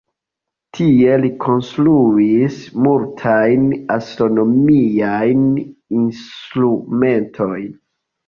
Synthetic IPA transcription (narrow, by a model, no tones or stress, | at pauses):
tʰie̞likʰo̞nstɾuismultʰajnastɾo̞no̞miajninstɾume̞ntʰo̞jn